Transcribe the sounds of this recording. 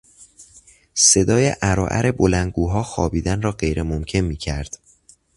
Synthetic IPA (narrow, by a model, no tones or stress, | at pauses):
se̞d̪ɒːjḛʔæɾɒːʔæ̰ɾʔe̞bo̞læn̚ɡuːɦɒːxɒ̰ːbiːd̪ænrɒːɢe̞jɾʔemomcʰe̞nmiːcʰæɾd̪̥